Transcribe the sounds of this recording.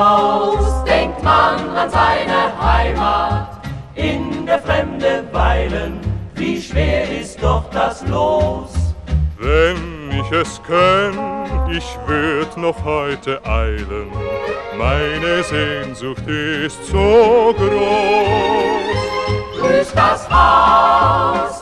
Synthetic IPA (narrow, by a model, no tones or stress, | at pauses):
aʊsd̥ɛŋk̚tmananzaɪnəhaɪmaːtʔɪnbəfʁɛmdətvaɪlənviːʃv̥eːɐɪst̚d̥ɔχd̥asloːsvɛnɪçɛskʰœnɪçv̥ɪɐdnɔχhɔʏtʰəʔaɪlənmaɪnəzeːnzʊxtɪɪstz̥oːɡʁo | sd̥ʊɐçd̥asha | s